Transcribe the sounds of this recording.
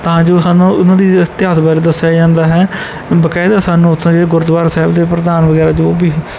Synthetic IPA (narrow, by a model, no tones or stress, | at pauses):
t̪ãːd͡ʒoːsaːnũːʊnãːd̪iːt̪ɪɦaːsbaɾeːd̪əsːjaːd͡ʒãːnd̪aːɦɛː | bəkaːɪd̪aːsaːnũːʊt̪ʰõːd͡ʒeɡʊɾd̪ʋaːɾsɛːbd̪eːpɾəd̪aːnʋəɡɛːɾaːd͡ʒoːbiː